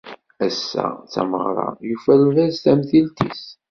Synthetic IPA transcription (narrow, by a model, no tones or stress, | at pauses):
æsːæ̰t͡sːæ̰məʁɾˤɑ̰jufælvæzθæmθilt̪is